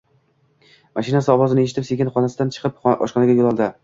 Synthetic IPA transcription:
maʃɪnasɪɒvɒzɪnɪe̞ʃ̬ɪt̪ʰɪpseɡʲɪnχɒnasɪd̪ant͡ʃʰɨ̥qʰɨpɒ̰ʃqɒnaɡʲajolˠɒlˠd̪ɪ

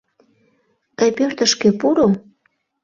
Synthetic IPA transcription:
kɑjpørt̪əʃkĕpuɾo

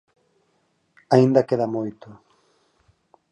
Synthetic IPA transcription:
aĩnd̪akeðamojt̪ʊ

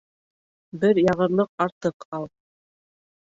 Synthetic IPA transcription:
bɘɾjɑʁɤ̆ɾlˠɤq̚ɑɾt̪ɤqɑlˠ

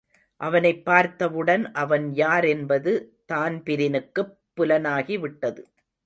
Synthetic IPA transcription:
ʔɐʋɐnɐɪpːaːɾt̪ːɐʋɯɽɐnʔɐʋɐnjaːɾɛnbɐðɯ | t̪aːnpɪɾɪnɯkːɯpːʊlɐnaːɣiʋɪʈːɐðɯ

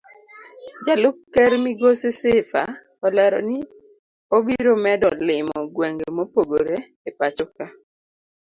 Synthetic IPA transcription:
d͡ʒalʊkːɛɾmiɡosesefa̰ | ɔlɛɾɔ̰nɪ | obiɾomɛdɔlɪmɔɡwɛŋɡemopoɡoɾe | epat͡ʃɔka

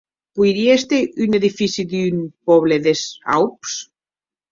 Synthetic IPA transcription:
pujɾiest̪eyneðifisiðynpɔβleðesa̰wps

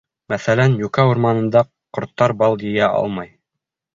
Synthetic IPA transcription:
mæθælænjʉkæuɾmɑnɤ̆nd̪ɑ | qŏɾt̪ːɑɾbɑlˠjɘ̆jæʔɑ̰lˠmɑj

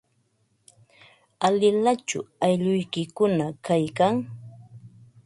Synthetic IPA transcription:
alɪlat͡ʃʊ̰ajʎʊjkɪkʊnakajkaŋ

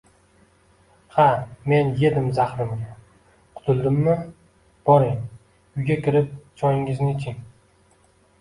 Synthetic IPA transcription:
hame̞nje̞d̪ɪmzaχɾɪmɡʲa | qʰʊ̥t̪ʰʊlˠd̪ɪmːɪ | b̥ɒɾɪŋ | ʊjɡʲakʲɪɾɪp̚t͡ʃʰɒjɪŋɪznɪt͡ʃʰɪŋ

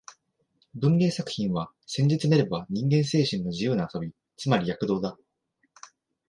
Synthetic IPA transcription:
bɯ̟̃ŋɾʲe̞ːsakɯ̟̥çĩɰ̃βa | sẽ̞ɲ̟d͡ʑit͡sɨneɾe̞baɲ̟ĩŋɡẽ̞ɰ̃se̞ːɕĩnːo̞ʑijɯ̟ːnaːsobʲi | t͡sɨmaɾʲijakɯ̟d̪o̞ːd̪a

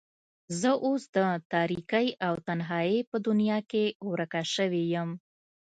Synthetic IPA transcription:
zəʔosd̪ət̪ɑɾikajʔawt̪anɦɑjepəd̪ʊnjɑkewɾakaʃəwejəm

